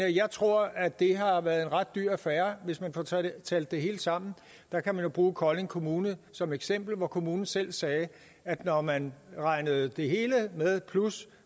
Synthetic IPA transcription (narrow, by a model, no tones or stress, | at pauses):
jɑ̈ɪt͡sʰʁo̝ɐ̰æd̥e̝ɦɑ̈ʋæɐð̞̩ˠe̝nʁɑ̈d̥̚ːyɐ̰æfæːɐʋe̝smænfɒt͡sʰɛːl̰d̥ːe̝ɦe̝ːld̥sɑ̈m̰n̩ | d̥ɑ̈kʰæmænjo̝b̥ʁuːkʰɒ̽le̝ŋkʰo̝muːnəð̩sɒ̽meɡ̥sem̰b̥l̩ʋɒkʰo̝muːnn̩sel̰sɛː | æd̥nɒmænʁɑ̈ɪnəð̩ˠd̥e̝ɦe̝ːləmeðˠpʰlus